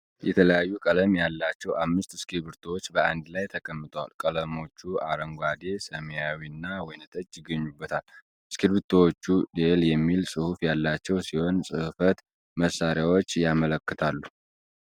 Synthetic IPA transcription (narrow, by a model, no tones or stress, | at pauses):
jɛt̪ʰələjajːukʼələmjalːat͡ʃːɛwʔamːɨst̪skʰilβɨɾt̪ʰowot͡ʃːbəand̪lajt̪ʰəkʼəmːɨt̪ʼəwa̰lkʼələmo̞t͡ʃːua̰ɾəŋɡʷad̪e̞səmejawinːawɔjnɨt̪ʼət͡ʃːjɪɡːəɲːubːət̪ʰal | skʰilβɨɾt̪ʰowot͡ʃːud̪eljɛmːilsʼɨhufjalːat͡ʃːɛwsiho̞nsʼɨhfət̪ | məsːaɾjawot͡ʃːjamələkːɨt̪ʰalːu